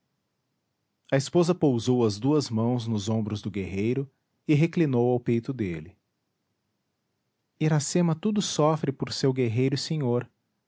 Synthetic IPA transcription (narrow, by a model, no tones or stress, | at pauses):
ɐɪspozɐpowzowɐzd̪uɐzmɐ̃w̃znʊzõmbɾʊzd̪ʊɡeɦejɾʊ | ɪɦeklinowawpejt̪ʊd̪elɪ | iɾasẽmɐt̪ud̪ʊsɔfɾɪpoɾsewɡeɦejɾʊɪsẽɲoɾ